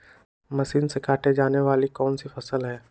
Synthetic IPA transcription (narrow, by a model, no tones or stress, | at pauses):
mɐsiːnsekaːʈed͡ʒaːneʋaːlikɔːnsifɐsəlɦɛ̃ː